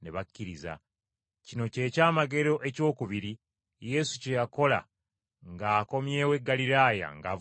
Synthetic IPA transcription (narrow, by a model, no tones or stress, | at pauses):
ne̞βakːiɾiza̰ | cino̞ce̞ːcaːmaɡe̞ɾo̞ʔe̞co̞ːkuβiɾi | je̞sucejako̞la̰ | ŋɡaːko̞mje̞ːwe̞ɡːalilaːja̰ŋɡav